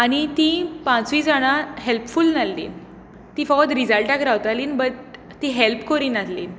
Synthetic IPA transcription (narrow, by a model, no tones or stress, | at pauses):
aɽ̃it̪ĩpãt͡sʋid͡zaɽ̃aɦelpfulnalːḭːn | t̪ĩfɔkt̪ɾid͡zəlʈakɾawt̪aliːnbət̪ː | ĩɦelpkoɾiːnat̪lḭːn